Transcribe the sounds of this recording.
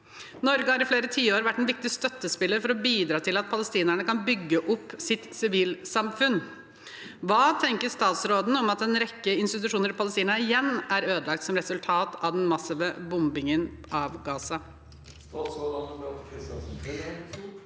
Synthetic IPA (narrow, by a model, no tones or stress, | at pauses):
nɔɾɡəhɑɾɪfleːɾət̪ʰiːəoːɾʋæʈːɛnʋɪk̚t̪ɪst̪œt̪ːəspɪlːəɾfɔɾɔbiːd̪ɾɑːt̪ʰɪlɑt̪̚pʰɑləst̪iːnæɳəkɑnbʏɡːəʔʊpːsɪt̪sɪʋiːlsɑmfʉn | ʋɑːt̪ʰɛŋkəʂt̪ɑːt̪sɾoːd̪n̩ɔmɑt̪̚ɛnɾɛkːəɪnst̪ɪt̪ʉʂuːnəɾɪpʰɑləst̪iːnəɪjɛnːæɾøːd̪əlɑk̚t̪sɔmɾɛsʉlt̪ʰɑːt̪ɑʋd̪ɛnmɑsɪʋəbʊmbɪŋənʔɑʋɡɑːsɑ